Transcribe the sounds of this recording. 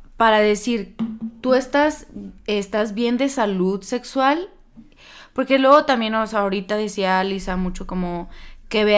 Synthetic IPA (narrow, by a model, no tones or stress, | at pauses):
paɾaðe̞siɾt̪ue̞st̪asest̪azβje̞nd̪e̞saluðse̞kswal | po̞ɾke̞lwe̞ɣo̞t̪ambje̞nosaoɾit̪aðe̞sialisamut͡ʃo̞ko̞mo̞ke̞βe